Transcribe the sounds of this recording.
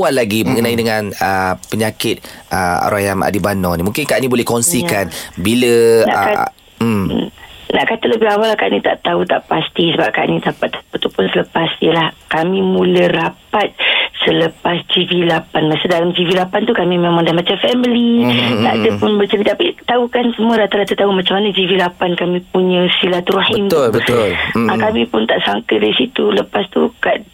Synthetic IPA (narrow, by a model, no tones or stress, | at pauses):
uaʔlaɡiməŋənãidəŋanəpəɲakɪt̪̚ʔəa̰ɾajama̰dibanɔnimũŋkɪnkaʔnibolɛhkɔnsikanbiləna̰ka | naʔkat̪ələbɪɦawalahkaʔnit̪a̰ʔt̪aut̪aʔpast̪isəbap̚kaʔnit̪apat̪ḁput̪upʊnsələpasəlahkamĩmũləɾapat̪̚sələpasd͡ʒivilapanmasədalamd͡ʒivilapant̪ukamĩmemãŋdamat͡ʃamfɛmilit̪a̰ʔdəpʊnbət͡ʃəlit̪apit̪aukansəmũadat̪adat̪at̪aumãt͡ʃamanad͡ʒivilapankamĩp̚uɲə̃silat̪ɾuħint̪bəlakamĩpʊnt̪aʔsaŋkədaisit̪uləpast̪ṵka